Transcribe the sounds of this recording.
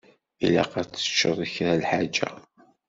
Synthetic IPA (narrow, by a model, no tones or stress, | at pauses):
ilæqæt͡sːə̥t͡ʃːəðˤəçɾalħad͡ʒæ̰